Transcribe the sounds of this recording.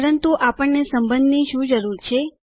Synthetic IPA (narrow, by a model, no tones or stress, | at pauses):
ɾənt̪uʔapəɳːesəmbənd̪niʃũd͡ʒəɾuɾt͡ʃʰe